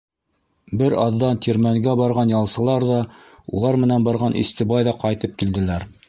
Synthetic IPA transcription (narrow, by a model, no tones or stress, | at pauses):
bɘɾɑðːɑnt̪ʰʲiɾmæŋɡæbɑɾʁɑnjɑlˠsɤ̆lˠɑɾðɑ | ṵlˠɑɾmɘ̆nænbɑɾʁɑnʔḭst̪ɘbɑjðɑqɑjt̪ɤp̚kild̪ɘ̆læɾ